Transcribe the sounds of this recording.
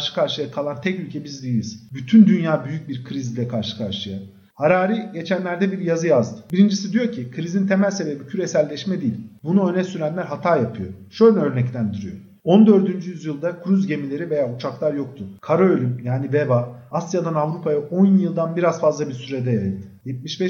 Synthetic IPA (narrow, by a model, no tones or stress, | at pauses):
ʃɯ̥kʰaɾʃɯjakʰalˠant̪ʰɛcylʲcʰɛbizd̪iilʲiz̥byt̪ʰynd̪ynjaːbyjyc̚biɾkʰɾizilʲɛkʰaɾʃɯ̥kʰaɾʃɯja | haɾaːɾiɟe̞t͡ʃʰænlʲæɾd̪ɛbiɾjazɯjazd̪ɯbiɾind͡ʒisid̪ijo̞cʰikʰɯɾizint̪ʰe̞mælʲse̞be̞bicʰyɾe̞sælʲːɛʃmɛd̪ijilʲbunuønɛsyɾænlʲæɾɦat̪ʰaːjapʰɯjo̞̰ʃø̞jlʲɛø̞ɾnɛct̪ʰænd̪yɾyjo̞ | o̞nd̪ø̞ɾd̪ynd͡ʒyjyzjɯlˠd̪akʰɾyzɟe̞milʲe̞ɾive̞jaut͡ʃʰaklˠaɾjo̞k̚t̪ʰukʰaɾoølʲymjaːnivevaasjad̪anavɾupʰajaʔo̞njjɯlˠd̪anbiɾaz̥fazlˠabiɾsyɾed̪ɛjajɯlˠd̪ɯ̥jɛt̪̚miʃbɛ